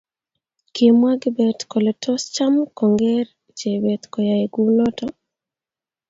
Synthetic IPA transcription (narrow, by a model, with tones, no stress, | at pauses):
ke˨mwa˦ɡbɛ˨t̪ko˨lɛ˨tʰɔ˦st͡ʃa˦mkɔ˨ŋɡɛ˦ɾ | t͡ʃe˨bɛ˨t̪kɔ˨ja˨eɡu˦nɔ˦tɔ